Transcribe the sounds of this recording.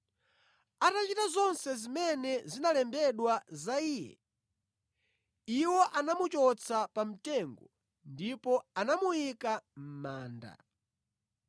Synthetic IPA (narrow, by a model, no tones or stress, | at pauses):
atat͡ʃitazɔnsɛzimɛnɛzinalɛmbɛɗwazaiːjɛ̰ | iwɔʔanamut͡ʃɔt͡sʰapam̩tɛŋɡɔ | ndipɔanamuikam̩maːnda̰